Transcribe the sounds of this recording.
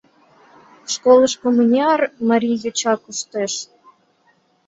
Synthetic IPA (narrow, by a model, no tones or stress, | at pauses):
ʃkolˠəʃkomunʲiɑrmɑɾʲijot͡ɕɑkuʃt̪eʃ